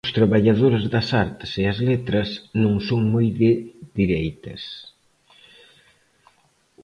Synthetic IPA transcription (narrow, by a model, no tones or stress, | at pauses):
ʊst̪ɾɐβaʎaðoɾɪzðɐsaɾt̪ɪ̥seɐzlet̪ɾɐsnõŋsoŋmojðɪðiɾejt̪ɐ̰s